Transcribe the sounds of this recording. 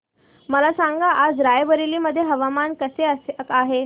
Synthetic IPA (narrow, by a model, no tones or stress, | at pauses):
məlasãŋɡaʔːd͡zɾajʋəɾiliːməd̪ʱːjeɦəʋamankəseəaɦe